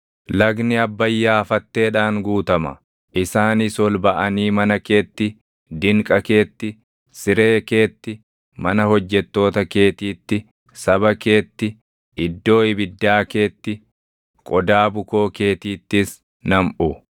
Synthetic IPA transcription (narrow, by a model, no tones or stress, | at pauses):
lɐɡnɪɐbːɐjːaːfɐt̪ːe̞ːᶑaːŋɡuːt̪ɐmɐ̰ | ʔɪsaːnisɔlbɐʔɐniːmɐnɐke̞ːt̪ːɪ | d̪ɪŋkʼɐke̞ːt̪ːɪ | sɪɾe̞ːke̞ːt̪ːɪ | mɐnɐhɔd͡ʒːɛt̪ːo̞ːt̪ɐke̞ːt̪iːt̪ːɪ | sɐbɐke̞ːt̪ːɪ | ɪd̪ːo̞ːɪbɪd̪ːaːke̞ːt̪ːɪ | kʼɔd̪aːbʊko̞ːke̞ːt̪iːt̪ːɪs | nɐmʔʊ